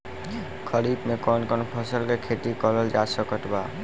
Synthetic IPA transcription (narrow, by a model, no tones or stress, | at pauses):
kʰəlip̪mekɔnkɔnpʰəsəlkekʰeʈikɔləld͡ʒasəkəʈ̪ba